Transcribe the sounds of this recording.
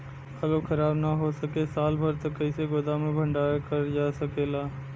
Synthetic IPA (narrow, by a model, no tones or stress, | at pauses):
ɐlokʰɐɾaːbnaɦosɐkesaːlbʱɐɾt̪okːəɪseɡoːd̪amẽbʱɐ̃ɳɖaːjakɐɾd͡ʒaːsɐkeːlaː